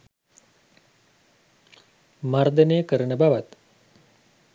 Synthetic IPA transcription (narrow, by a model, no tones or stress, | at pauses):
maɾd̪ʱəneːkəɾəɳəbaʋɐt̪